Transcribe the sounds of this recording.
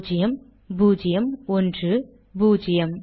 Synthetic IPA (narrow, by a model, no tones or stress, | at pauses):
d͡ʒɪjɐm | buːd͡ʒɪjɐmɔndrɯ | buːd͡ʒɪjɐm